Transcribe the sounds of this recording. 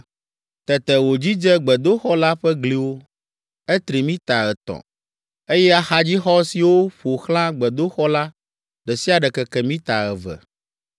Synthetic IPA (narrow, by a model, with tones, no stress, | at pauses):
t̪ɛ˨t̪ɛ˨wo˨d͡ʑi˦d͡ʒɛ˦ɡ͡bɛ˨d̪o˦xɔ˦la˦ɸɛ˦ɡli˨wo˦ | ɛ˦t̪ɾi˨mĩ˦t̪a˨ɣɛ˨t̪ɔ̰˨ | e˦jɛ˦a˨xa˦d͡ʑi˦xɔ˦si˨wo˦ɸo˨xl̃ã˦ɡ͡bɛ˨d̪o˦xɔ˦la˦ | ɖɛ˨si˦a˨ɖɛ˨kɛ˨kɛ˨mĩ˦t̪a˨ɣɛ˨vɛ̰˨